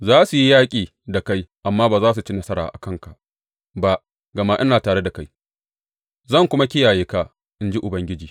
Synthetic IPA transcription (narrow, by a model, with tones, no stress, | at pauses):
zaː˦su˨ji˦jaː˦kʲʼiː˨ | da˨ka˦jʔa˨mːaː˦baː˨zaː˦s̬u˨t͡ʃi˦nɐ˦sɐ˦ɾa̰ː˨ʔa̰˨kɐ˦ŋka˨ʔ | ba˦ʔ | ɡɐ˨ma˦ʔɪ˦naː˨taː˨ɽe˦da˨ka˦j | zɐ˦˨ŋkʷʊ˦ma˦kʲɪ˦jaː˨jeː˦ka˨ | ʔɪ˦nd͡ʒi˦ʔʊ˨bɐ˦ŋɡʲɪ˦d͡ʒiː˨